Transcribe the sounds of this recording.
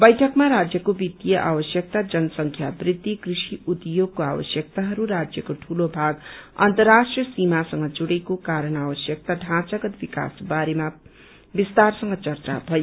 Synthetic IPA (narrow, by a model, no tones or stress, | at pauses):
bʌjʈʰʌkmaɾad͡zjʌkobit̪ijʌʔabʌsjʌk̚t̪ad͡zʌnʌsʌŋkʰjabrid̪ʱːikrisiut̪joɡ̚koabʌsjʌk̚t̪aɦʌɾuɾad͡zjʌkoʈʰulobʱaɡʌ̰nt̪ʌrːasʈrʌsimasʌŋɡʌd͡zuɽekokaɾʌnabʌsjʌk̚t̪aɖʱãt͡sʌɡʌt̪bika̰sbaɾema | bist̪arsʌŋɡʌt͡sʌrt͡sa̰bʱʌjo